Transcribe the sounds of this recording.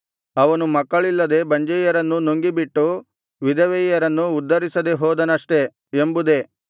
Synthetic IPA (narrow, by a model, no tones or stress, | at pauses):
ɐʋɐnumɐkːɐɭilːɐd̪e̞bɐɲd͡ʒɐjɐɾɐnːunoŋɡibiʈːu | ʋid̪ɐʋɛjɐɾɐnːuːd̪ːɐɾisɐd̪e̞ɦɔːd̪ɐnɐʂʈe̞ | embud̪e̞